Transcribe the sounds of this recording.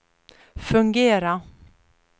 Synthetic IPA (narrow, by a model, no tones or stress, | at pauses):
fɵŋɡeːɾa